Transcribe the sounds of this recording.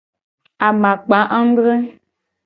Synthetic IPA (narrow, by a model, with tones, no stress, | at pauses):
a˨mã˨k͡pã˨˦ʔa˦ŋ̩˦dɾe˦